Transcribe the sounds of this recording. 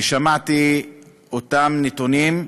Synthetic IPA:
ʃamat̪i | ot̪amnet̪onim

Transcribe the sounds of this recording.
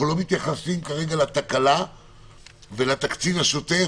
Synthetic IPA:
ulo̞mit̪jaχasimkaʁe̞ɡalat̪akala | velat̪akt͡sivaʃot̪e̞

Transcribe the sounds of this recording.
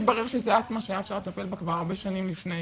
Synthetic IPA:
t̪baʁeʁʃezeat͡smaʃeajaefʃaʁlet̪ape̞lbakvaʁaʁbeʃanimlifne

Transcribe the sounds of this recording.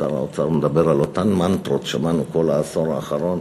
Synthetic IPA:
aʁa̰ot͡saʁmed̪abeʁalo̞t̪anmant̪ɾot̪ʃamanuko̞laːso̞ʁaːχaʁo̞n

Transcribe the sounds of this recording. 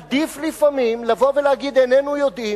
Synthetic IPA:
d̪iflifamimlavo̞velehaɡid̪enenujod̪i

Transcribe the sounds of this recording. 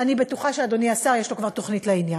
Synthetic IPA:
anibet̪uχaʃead̪oniasaʁjeʃlo̞kvaʁt̪o̞χnitleinjan

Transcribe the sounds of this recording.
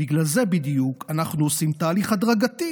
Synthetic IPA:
iɡlalze̞bid̪ijukʰanaχnuosimt̪aːliχad̪ʁaɡat̪i

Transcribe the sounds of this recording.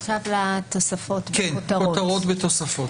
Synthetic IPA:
ʃavlat̪o̞safo̞t̪kenot̪aʁootɐʁot̪vet̪osafot

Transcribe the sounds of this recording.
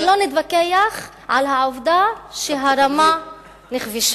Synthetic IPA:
lo̞nit̪vakejaχ | ʕalɦaʕovd̪aʃeɦaɾama | niχviʃ

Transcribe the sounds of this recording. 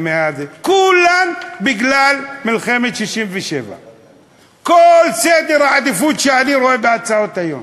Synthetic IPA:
meazekulːambiɡlalmilχemet̪ʃiʃimveʃḛva̰ | kolsed̪eɾaʕad̪ifut̪ʃeaniɾoebeat͡sao̞t̪ajo̰m

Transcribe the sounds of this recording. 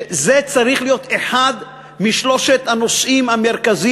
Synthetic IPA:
zet͡saʁiχlijo̞t̪e̞ħad̪ | miʃlo̞ʃet̪hano̞sʔimame̞ʁkazi

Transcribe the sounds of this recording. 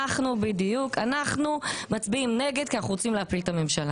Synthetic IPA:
aχnubidijukʰanaχnumat͡sbiimne̞ɡe̞d̚kianaχuʁot͡simleapiltame̞mʃala

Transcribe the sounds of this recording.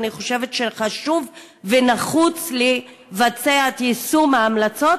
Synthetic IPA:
niχo̞ʃevetʃeχaʃuv | venaχut͡sle | vat͡seatjisumaːmlat͡so̞

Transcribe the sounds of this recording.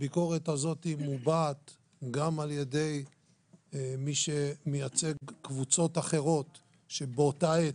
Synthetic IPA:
biko̞ʁe̞tazo̞thimubat̪ | ɡamaljede̞j | miʃemejat͡se̞ɡkvut͡so̞t̪aχe̞ʁo̞t̪ | ʃebot̪ae

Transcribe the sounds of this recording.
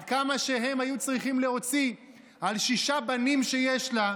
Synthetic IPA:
kamaʃe̞ɦe̞majut͡sʁiχimle̞o̞t͡si | alʃiʃabanimʃe̞jeʃla

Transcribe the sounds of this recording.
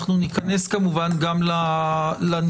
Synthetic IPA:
χnunikane̞skamuvanɡamlalan

